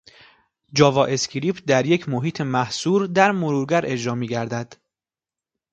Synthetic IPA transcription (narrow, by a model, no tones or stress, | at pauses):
d͡ʒɒːvɒːʔe̞scʰɾiːpʰd̪æɾje̞cʰmoɦiːt̪ʰemæhsuːɾd̪æɾmoɾuːɾɡæɾe̞d͡ʒɾɒːmiːɡæɾd̪æd̪̥